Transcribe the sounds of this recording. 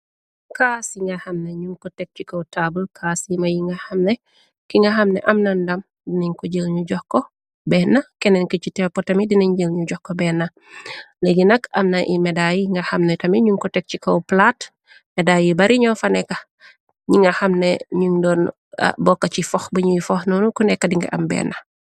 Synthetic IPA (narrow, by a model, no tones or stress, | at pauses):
kasiŋɡɐhɐmneɲuŋkɔtɛk̚t͡ʃikɐwtabəlkʰaːsimɐjiŋɡɐhɐmnɛ | kiŋɡɐhɐmnɛ̰ʔɐmnɐndɐm | diniɲkɔɟəlɲuɟɔhkɔ | bɛːnɐkɛnɛnkəcitɛpɔtɐmidiniɲɟəlɲuɟɔhkɔbɛnɐ | leɡinɐkɐ̰mnɐʔḭmɛdajiŋɡɐxɐmnɛtɐmiɲuŋkɔtɛk̚cikɐwplat | mɛdajibɐɾiɲɔfɐnɛkɐ | ɲiŋɡɐxɐmneɲuŋdɔːn̰ | bɔkːɐcifɔxbəɲujifɔxnɔnukunɛkːɐdiŋɡɐʔɐ̰mbɛ̰nɐ